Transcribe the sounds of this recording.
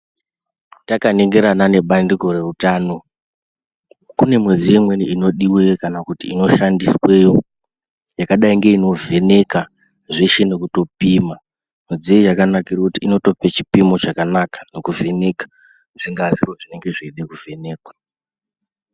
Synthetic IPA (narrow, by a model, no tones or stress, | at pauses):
takane̞ŋɡe̞ɾanane̞ɓandiko̞re̞rutaːno̞ | kune̞mwe̞d͡zijemwe̞niino̞ɗiwekanakutiino̞ʃandiswe̞jo̞ | jakaɗaiŋɡe̞ino̞ve̞ne̞ka | ʐeʃe̞ne̞kuto̞piːma | mwe̞d͡zijejakanakirakutiino̞to̞pet͡ʃi̥pimo̞t͡ʃakanakḁno̞kuve̞ne̞kḁ | ʐ̥iŋɡaʐiro̞ʐine̞ŋɡe̞ʐeɗekuvʱe̞ne̞ːkwḁ